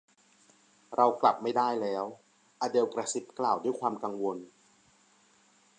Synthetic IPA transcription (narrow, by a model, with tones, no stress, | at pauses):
ɾa˧wkla˨˩p̚ma˥˩jdaː˥˩jlɛː˦˥w | ʔaː˧de˧wkɾa˧si˦˥p̚klaː˨˩wdu˥˩jkʰwaː˧mka˧ŋwo˧n